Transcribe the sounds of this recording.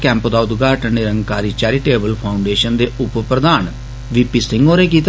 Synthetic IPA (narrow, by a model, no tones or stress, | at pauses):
kɛ̃ːmpd̪aːʊd̪ɡaːʈənneɾəŋɡkaːɾiːt͡ʃɛːɾiːʈeːbəlpʰaːʊɳɖeːʃənd̪eːʔʊppɾəd̪aːn | ʋiːpiːsɪŋɡoːɾeːk̬iːt̪